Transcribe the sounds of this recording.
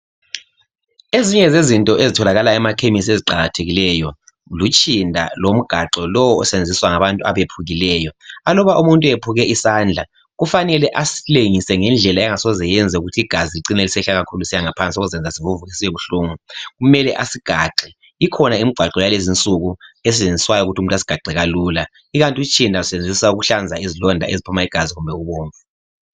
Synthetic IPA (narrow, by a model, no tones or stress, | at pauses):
eziɲɛzezintʼɔʔezitʰɔlaɣalaɛmakʰemisieziǃaɣatʰeɣilɛjɔ | lut͡ʃʼindʱa̰lom̩ɡ̥ʱaǃɔlɔwɔɔ̰send͡zʱiswaŋaβantʼua̰βepʰuɣilɛːjɔalɔβaʔumuntʼuepʰuɣɛʔisaːnd͡ɮʱa | ɣufanɛlɛʔasi̥leŋisɛŋɛnd͡ɮʱɛlaɛŋasɔzɛjɛnd͡zʱɛuɣutʰiiɡ̥ʱaziliǀinelisɛɬaɣakʰuluisiaŋapʰant͡sʼiɔɣuzɛnd͡zʱasivuvuɣisijɛβuɬuːŋuɣumɛlɛʔasiɡ̥ʱaǃʱi | ikʰɔnaim̩ɡ͡ǃ̥ʱwaǃɛwalezint͡sʼuɣues̬it͡ʃend͡zʱiswajɔuɣutʰum̩tʼasi̥ɡ̥ʱaǃʱɛɣaluːla | iɣantʼut͡ʃʰʼindʱausend͡zʱisauɣuɬand͡zʱaizilɔndʱa̰ʔezipʰumaiɡ̥ʱaziɣumbʱɛɣuβoːɱvu